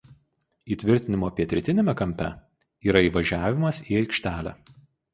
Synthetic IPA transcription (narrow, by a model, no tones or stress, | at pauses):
iːt̪ʲʋʲɪɾʲt̪ʲɪnʲɪmoːɐpʲiɛt̪ʲɾʲɛt̪ʲɪnʲɛmʲɛkɐmʲpʲɛ̰ | iːɾɐiːʋɐʒʲæːʋʲɪmɐsiːɐɪkʃʲt̪ʲæːlʲæ̰ː